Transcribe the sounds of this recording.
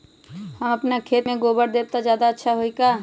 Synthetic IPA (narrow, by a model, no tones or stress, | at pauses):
hɐmɐpnakʰeːt̪mẽɡoːbəɾd̪eːb̚t̪ad͡ʒjaːd̪aɐtːʃʰaɦoika